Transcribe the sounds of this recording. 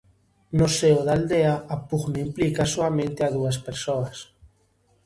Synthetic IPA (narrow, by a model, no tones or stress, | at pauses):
noseoðald̪eaapuɣnaimplikasoamẽnt̪eaðuaspeɾsoas